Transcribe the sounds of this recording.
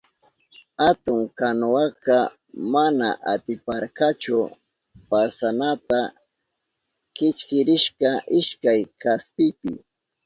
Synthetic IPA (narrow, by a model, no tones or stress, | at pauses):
hat̪ʊŋkanʊaka | mana̰ʔat̪ɪpaɾkat͡ʃʊ | pasanat̪a | kɪt͡ʃkɪɾɪʃkaʔɪʃkajkaspɪpɪ̰